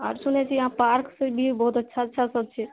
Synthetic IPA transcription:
a̰ɾsunɛt͡ʃʰiɦãpaɾksəbʱibɔɦut̪ətːʃʰaətːʃʰasəd̪̚t͡ʃʰɛ

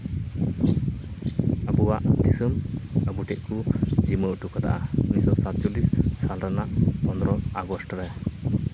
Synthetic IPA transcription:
əbuwaʔd̪isəməbuʈɛʔkud͡ʒiməʔʈukat̪ʰa̰ʔaunisɔsat̪̚d͡ʒulissalɾanaʔpɔnd̪ɾɔaɡɔsʈɾɛ

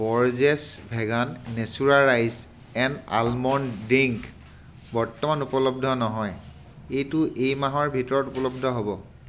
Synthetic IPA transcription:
bɔɹzɛsbʱɛɡanːesuɹaɹajs | ɛna̰lmɔndiŋk | bɔɹtɔmanupɔlob̚dʱɔnɔɦɔj | ejtʊʔejmaɦɔɹbʱitɔɹɔtupɔlɔb̚dʱɔɦobɔ

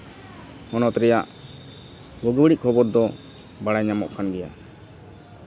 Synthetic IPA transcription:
hɔnɔt̪ɾɛjaʔ | ɡɔɡwəɽiʔ̚kʰɔbɔɾd̪ɔ | baɽajɲamɔ̰ʔkʰanɡɛja

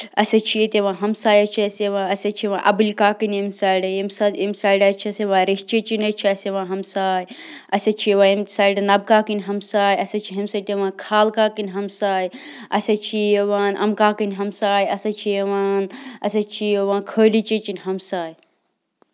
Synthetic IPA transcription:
ɐsɐt͡ʃʰijet̪eʋãːɦɐmsaːjɐt͡ʃʰiɐseʋãːɐsɐt͡ʃʰiʋãːʔɐ̰bɨlʲkaːkɨnʲemsaːiɖɐjemsɐd̪emsaːjɖɐt͡ʃʰiɐseʋãːɾiht͡ʃet͡ʃinʲɐt͡ʃʰiɐseʋãːɦɐmsaːj | ɐsɐt͡ʃʰieʋaːimsaːiɖɐnɐb̚kaːkinʲɦɐmsaːjɐsɐt͡ʃʰiɦɐmsaːjt̪eʋãːkʰaːlkaːkɨnʲɦɐmsaːj | ɐsʲɐt͡ʃʰieʋaːnʔɐ̰mkaːkinʲɦɐmsaːjɐsɐt͡ʃʰieʋaːnɐsɐt͡ʃʰijeʋãːkʰəːlit͡ʃet͡ʃinʲɦɐmsaːj

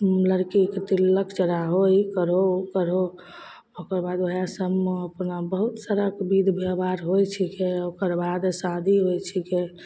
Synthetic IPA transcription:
ləɾkikt̪ilːəkʰd͡ʒəɾaɦoikəɾokəɾo | okəɾbad̪əɦjasəməpnabəɦut̪saɾakbid̪ʱbʱebaɾɦojt͡ʃʰikeokəɾbad̪sãd̪ʱiɦojt͡ʃʰike

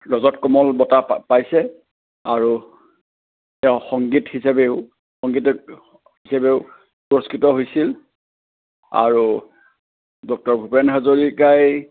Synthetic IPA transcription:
ɹɔzɔtkɔmɔlbɔtapajsɛ | aɹu | ɛʊ̃xɔŋɡithisabeʊ | xɔŋɡit | hisabeʊ | suɹɔskɹitɔɦojsil | a̰ɹu | dɔk̚tɔɹbʱupɛnɦazoɹikaj

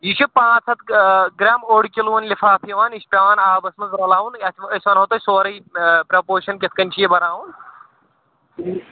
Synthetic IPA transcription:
jit͡ʃʰupãːt͡sʰɐt̪ɡɾaːmoɽkʲiluʋɐnlifʰaːpʰjiʋaːniʃpʲɐʋaːnaːbɐsmɐzɾɐlaːunɐtʰɐsʲʋɐnɦɐt̪osoːɾɐjpɾɐpoːɾʃɐnkʲɐt̪ʰkɐnʲt͡ʃʰijebɐɾaːwun

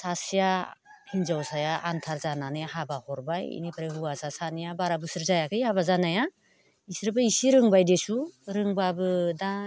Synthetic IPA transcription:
sasijahinzawsajaʔantʰaɾzananehabahɔɾbajḭnipʰɾahuasasanijabaɾabɯsɯɾzajakʰɯjhaβazanaja | isɾɯbɯisiɾɯŋbajdesuɾɯŋbabɯda

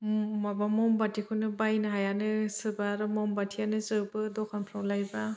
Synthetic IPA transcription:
mabamɔmbatʰikʰɯnɯbajnaɦajanɯsɯbaɾɯmɔmbatʰijanɯzɯbɯdɔkʰanpʰɾawlajba

